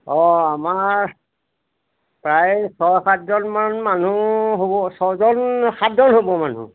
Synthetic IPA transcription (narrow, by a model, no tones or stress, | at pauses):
ɔamaɹ | pɹajsɔjkatzɔnmanmanuɦobɔsɔzɔnxʰatzɔnhobɔman̤ṵ